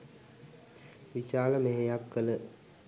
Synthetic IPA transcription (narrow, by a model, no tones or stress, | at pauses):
ʋiɕaːləmeɦejapkələ